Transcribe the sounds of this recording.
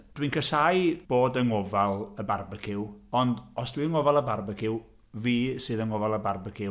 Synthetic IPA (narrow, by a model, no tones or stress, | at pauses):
d̥winkʰəsajb̥oːdəŋɔvalˠəbarbəkʰɪwɔndɔsd̥wiːəŋɔvalˠəbarbəkʰɪw | viːsɨːðəŋɔvalˠəbarbəkʰɪ